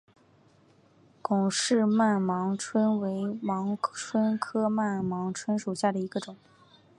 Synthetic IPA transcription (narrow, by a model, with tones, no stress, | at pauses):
kʊ˨˩ŋʂɻ̩˥˧ma˥˩nmɑ˧˥ŋʈ͡ʂʰwə˥nwe˧˥ɪmɑ˧˥ŋʈ͡ʂʰwə˥nkʰɤ˥ma˥˩nmɑ˧˥ŋʈ͡ʂʰwə˥nʂu˨˩ɕja˥˩d̪ə˩i˧˥ɡə˧ʈ͡ʂʊ˨˩˦ŋ